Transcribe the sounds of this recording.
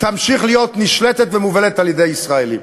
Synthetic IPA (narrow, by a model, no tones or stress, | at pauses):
t̪amʃiχlijo̞t̪niʃlet̪et̪vemuvelet̪aljed̪e̞jisʁaelḭm